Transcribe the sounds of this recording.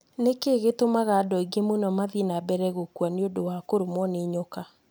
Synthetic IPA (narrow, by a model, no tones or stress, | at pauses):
nekeɣetomaɣadɔiɡemonɔmaðinabɛɾɛɣokwaneodowakoɾomwɔneɲoka